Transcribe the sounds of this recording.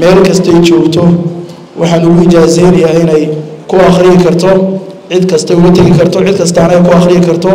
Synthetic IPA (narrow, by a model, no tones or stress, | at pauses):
mɛːlkʰɐst̪ʰɔɛjt͡ʃɔːɡt̪ʰɔ | wʔɑħɑːnʊɣʊɪt͡ʃaːsɛjnɐjaːɪnɛj | kʰʊɐχɾɪjɪkʰɐrt̪ʰɔ | ʕɪd̪kʰɐst̪ʰɐɛʊɣut̪ʰɐɣɪkʰɐrt̪ʰɔʕɪd̪kʰɐst̪ʰaːnɐɛjkʰʊɑχrɪjɪkʰɐrt̪ʰɔ